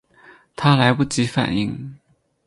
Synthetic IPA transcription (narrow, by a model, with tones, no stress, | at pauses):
t̪ʰa˥la˧˥ɪpu˥˩t͡ɕi˧˥fa̰˨˩ni˥˩ŋ